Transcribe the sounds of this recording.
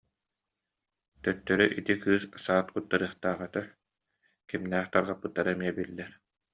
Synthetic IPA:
t̪œt̪ːœɾyʔit̪ikɯːssaːt̪̚kut̪ːaɾɯːχt̪aːʁɯt̪a | kimnæːχt̪aɾʁapːɯt̪ːaɾɯɛmiɛbilːɛɾ

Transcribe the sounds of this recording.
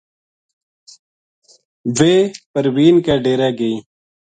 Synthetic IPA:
ʋeːpəɾwiːnkaːɖeːɾaːɡəĩː

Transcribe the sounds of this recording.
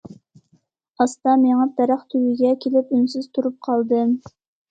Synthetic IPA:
ɑst̪ɑmeŋɑp̪ɛɾæχt̪ʰywɪɡʲɛkʲʰelɪpynsɪz̥t̪ʰuɾup̚qʰɑlˠd̪ɨm

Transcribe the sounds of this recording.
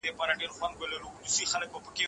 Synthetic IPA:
epɑɾaɖeɾxwand̪̚welaɾuknusixalək̚bəpəke

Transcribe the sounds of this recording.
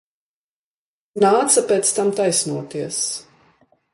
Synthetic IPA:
naːt̪sapʲeːt̪st̪amt̪ajsnuɔt̪iɛs

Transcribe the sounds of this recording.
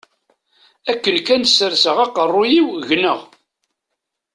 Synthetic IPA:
ækːənkænsːəɾsəʁɑqərˤːʊjiwʝnəʁ

